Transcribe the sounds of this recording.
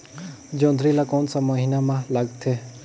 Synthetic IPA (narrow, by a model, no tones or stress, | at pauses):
d͡ʒɔ̃nd̪ʱɾilakɔnsaməɦinamãlaɡt̪ʰe